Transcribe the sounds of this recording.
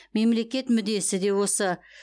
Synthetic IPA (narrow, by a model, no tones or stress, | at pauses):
me̞mle̞kʲe̞t̪mʏd̪e̞sɪd̪e̞wo̞sə